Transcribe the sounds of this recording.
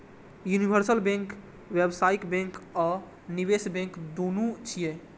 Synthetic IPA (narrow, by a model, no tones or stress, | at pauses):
junibʱəɾsəlbɛ̃ŋk | ʋebsaikbɛ̃ŋkɔ | niβesbɛ̃ŋkd̪onut͡ʃʰije